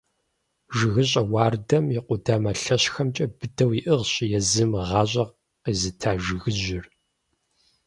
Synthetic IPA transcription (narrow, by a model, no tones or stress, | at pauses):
ʒɪɣɨɕʼɐwɑːrdɐmjɪqʷʊdaːmɐɬɐɕxɐmt͡ʃʼɐbɨdɐwiʔɨʁɕɪjɛzɨmʁɑːɕʼɐʁ | qizɨtʰaːʒɪɣɨʒɪr